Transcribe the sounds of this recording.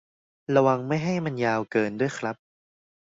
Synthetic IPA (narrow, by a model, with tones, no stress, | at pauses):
ɾa˧wa˧ŋma˥˩jɦa˥˩jma˧njaː˧wkɤː˧ndu˥˩əjkʰɾa˦˥p̚